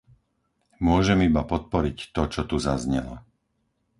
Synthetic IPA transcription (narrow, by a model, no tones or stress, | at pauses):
mʊɔʒɛmibapɔt̪̚pɔɾict̪ɔt͡ʃɔt̪uzazɲɛlɔ̰